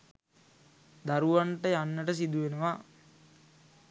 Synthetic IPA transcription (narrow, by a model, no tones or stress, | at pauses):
d̪aɾuʋaɳʈəjanːəʈəs̬id̪uʋenəʋa